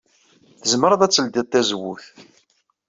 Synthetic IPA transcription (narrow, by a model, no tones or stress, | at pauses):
θəzməɾəðˤæt͡sːəld̪ɪd̪ˤθæzəwuθ